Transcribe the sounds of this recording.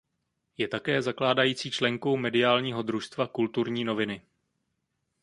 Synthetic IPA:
jɛt̪akɛːzaklaːdajiːt͡siːt͡ʃlɛŋko̞wmɛdɪaːlɲiːɦo̞d̪ɾuʃst̪vakult̪uɾɲiːno̞vɪnɪ

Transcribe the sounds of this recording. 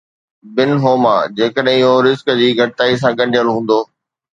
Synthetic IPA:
bɪnɦoːma̰ːd͡ʑeːkəɗɦɦoɾɪzkəd͡ʑiːɡʱɐʈɪt̪aːis̬ãːɡɐ̃ɳɖʱijəlɦũːn̆d̪oː

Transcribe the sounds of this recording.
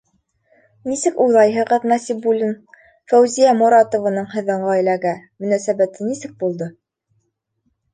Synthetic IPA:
nisɘkujlˠɑjɦɤ̆ʁɤðnɑsipːulʲin | fæwzijæmuɾɑt̪ŏvanɤɴhɤ̆ðɤ̆ɴɢɑæjlæɡæmɵ̆næsæbæt̪ʰɘnisɘk̚bulˠd̪ɤ

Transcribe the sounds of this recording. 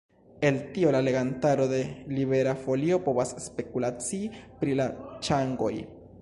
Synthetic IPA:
e̞ltio̞lale̞ɡantaɾo̞de̞liβe̞ɾafo̞lio̞po̞βasspe̞kulat͡sipɾilat͡ʃaŋɡo̞̰j

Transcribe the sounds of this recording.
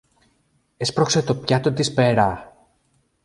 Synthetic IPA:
espɾo̞kse̞t̪o̞pçɐt̪ot̪ispeɾɐ

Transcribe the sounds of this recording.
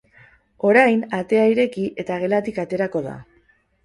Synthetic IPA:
o̞ɾajnat̪e̞aiɾe̞kiʔe̞t̪aɣ̞e̞lat̪ikat̪e̞ɾako̞ða̰

